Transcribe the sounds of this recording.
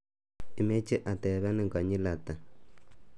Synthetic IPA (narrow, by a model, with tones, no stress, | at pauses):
i˨me˦t͡ʃi˦ʔa˨tɛ˨βa˦ni˦˨ŋka˨ɲi˦la˨ta˨